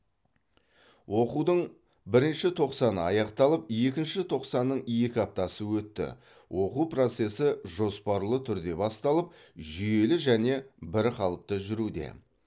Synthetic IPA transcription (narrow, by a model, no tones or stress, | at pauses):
wo̞qud̪əɴ | bɪɾɪnʃɪt̪ʰo̞qsɑnə̰ɑjɑqt̪ɑlˠəpje̞k̬ʲɪnʃɪt̪ʰo̞qsɑnːəɴje̞kʲɑp̚t̪ɑsəwɵt̪ːɪ̰ | wʔo̞qupro̞t̪se̞sɪʒo̞spɑɾlˠət̪ʰʏɾd̪e̞bɑst̪ɑlˠəp̚ʒʏje̞lɪʒæne̞bɪɾqɑlˠəp̚t̪əʒʏɾud̪e̞̰